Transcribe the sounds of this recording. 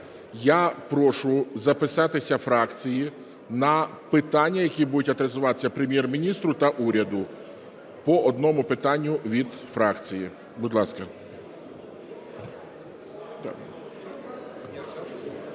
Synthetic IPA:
japɾɔʃʊzɐpɪsɑt̪ɪsʲɐfɾɑkt͡sʲiji | nɐpɪt̪ɑnʲːɐjɐkʲibud̪ʊtʲɐt̪ɾezʊʋɑt̪ɪ̥sʲɐpɾemʲjɛrmʲinʲist̪ɾʊt̪ɐʔuɾʲɐd̪ʊ | pɔʔɔd̪nɔmʊpɪt̪ɑnʲːʊʋʲid̪ | fɾɑkt͡sʲiji | bʊd̪lˠɑskɐ | d̪̰

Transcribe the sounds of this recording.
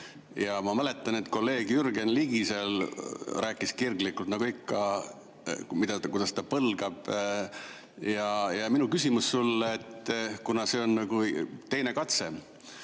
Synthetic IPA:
jɑmɑmæle̞t̪ːˑɑne̞t̪ːko̞lːe̞ːɡ̥jyrɡe̞nliɡ̥iselræːkːˑiskirɡlikːˑult̪nɑɡ̥uikːɑ | mid̪̥ɑkujd̪̥ɑst̪ɑpɤlɡ̥ɑb̥ | jɑjɑminukysʲimusːulːeet̪ːkunɑse̞o̞nːɑɡujt̪e̞jne̞kɑt̪se̞

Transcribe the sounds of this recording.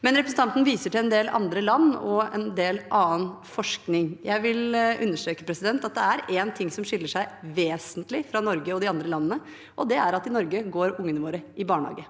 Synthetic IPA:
mɛnɾɛpɾəsn̩t̪ɑnt̪n̩ʋiːsəʈɪlɛnd̪eːlʔɑ̰nd̪ɾəlɑnːɔ̰ɛ̰nd̪eːlʔɑːənfɔʂknɪŋjʔæɪʋɪlʉ̰nːəʂʈ̪ɾøːkə̥pʰɾɛsɪd̪ɛnt̪ɑt̪̚d̪ɛæɾeːnt̪ʰɪŋːsɔmʂɪlːəʂæɪʋeːsənt̪lɪfɾɑnɔɾɡəɔd̪ɪɑnd̪ɾəlɑnːənə | ʔɔd̪ɛʔæɾɑt̪ɪnɔɾɡəɡoːɾʊŋːənəʋoːɾəɪbɑːɳhɑ̰ːɡə

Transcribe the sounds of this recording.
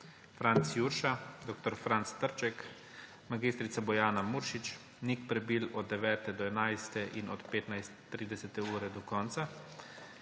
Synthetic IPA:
fɾant̪sjuɾʃad̪ok̚t̪ɔɾfɾant̪st̪əɾt͡ʃɛk | maɡist̪ɾit̪sabɔjaːnamuːɾʃit͡ʃ | nikpɾɛbilɔd̪dːɛʋɛːt̪ɛd̪ɔɛnajst̪ɛʔinɔt̪peːt̪najst̪t̪ːɾiːd̪ɛsɛt̪ɛuːɾɛd̪ɔkɔnt̪sa

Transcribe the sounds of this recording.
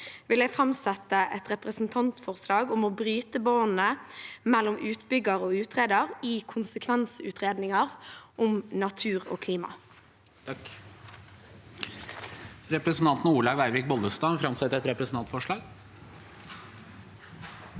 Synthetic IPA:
ʋɪlæɡfʁɑmsɛt̪ːəʔɛt̪ʁɛpʁəsn̩t̪ʰɑnt̪fɔʁslɑːɡʊmɔːbʁyːt̪əboːn̩əmɛlːɔmʉːt̪bʏɡəʁoːʉːt̪ʁeːd̪əʁikʰʊnsəkʰʋɛnsʉ̰ːt̪ʁeːd̪nɪŋəʁʔʊmnɑt̪ʰʉːʁo̰ːkʰliːmɑ̰ | ɾɛpɾəsn̩t̪ɑnt̪n̩uːɭɑːɡæɪʋɪk̚bɔlˠdəst̪ɑfɾɑmsɛt̪ːəɾɛt̪ɾɛpɾɛsn̩ʰɑnt̪fɔʂɭɑːɡ

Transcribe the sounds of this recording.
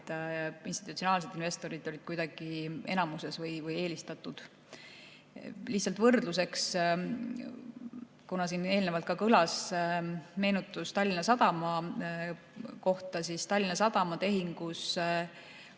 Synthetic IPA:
inst̪i̥t̪ːut̪sio̞nɑːls̬e̞d̪inve̞st̪o̞ɾid̪̥ˑoɾʲid̪̥kujd̪̥ɑɡ̥ie̞̰nɑmuse̞svɤjvɤje̞ːlist̪ɑt̪ːˑud̪̥ | liht̪sɑlt̪vɤrd̪̥lus̬e̞ks | kunɑsiːne̞ːlne̞vɑlt̪kɑkɤlɑs | me̞ːnut̪ːˑust̪ɑlʲːinɑsɑd̪ɑmɑ | ko̞ht̪ɑsist̪ɑlʲːinɑsɑd̪̥ɑmɑt̪e̞ɦiŋɡ̥us

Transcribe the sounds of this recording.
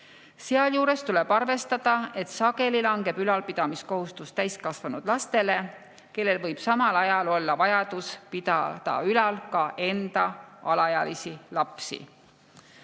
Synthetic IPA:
seɑljuːɾe̞st̪ule̞b̥ɑrve̞st̪ɑd̪̥ɑe̞t̪sɑɡe̞lilɑŋɡe̞b̥ylɑlpid̪̥ɑmisko̞ɦust̪ust̪æjskɑsvɑnud̪̥lɑst̪e̞le̞ | ke̞lːe̞lvɤjb̥sɑmɑlɑjɑlo̞lːɑvɑjɑd̪̥uspid̪ɑd̪ɑ̰ylɑlkɑʔe̞nd̪̥ɑɑlɑjɑlisilɑpsḭ

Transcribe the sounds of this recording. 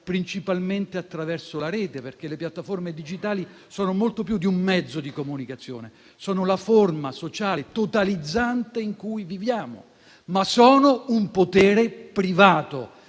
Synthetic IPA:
pɾint͡ʃipalment̪eat̪ːɾavɛrsolaɾɛːt̪eperk̟elepjat̪ːaformed̪id͡ʒit̪aːli | sɔːnomolt̪opjud̪iumːɛd̪zːod̪ikomunikat̪sːjo̰ːne | sɔːnolaformasot͡ʃaːlet̪ot̪alid̪zːant̪eiŋkujvivjaːmo̰ | masɔːnoumpot̪ɛːɾepɾivaːt̪o̰

